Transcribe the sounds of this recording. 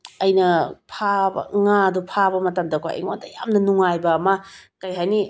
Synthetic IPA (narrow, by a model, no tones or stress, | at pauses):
ɐjnɐpʰabɐ̰ŋadupʰabɐmɐtɐmdɐkʰo̰ḛŋo̰dɐja̰mnɐnuŋajbɐmakɐjɦajni